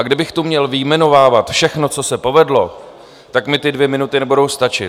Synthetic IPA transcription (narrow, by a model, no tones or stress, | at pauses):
ʔaɡdɪbɪxt̪umɲɛlvɪjmɛno̞vaːvat̪fʃɛxno̞t͡so̞sɛpo̞vɛdlo̞̰ | t̪akmɪt̪ɪdvjɛmɪnut̪ɪnɛbudo̞wst̪at͡ʃɪ̰t̪